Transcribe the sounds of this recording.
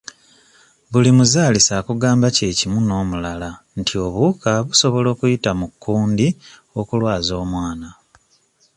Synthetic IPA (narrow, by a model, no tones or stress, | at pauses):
βulimuzaːlisakuɡaːmbace̞ːcimuno̞ːmulala | ntʰio̞βukaβuso̞βo̞lo̞ːkujitamukːuːndi | o̞kulwaːzo̞ːmwaːna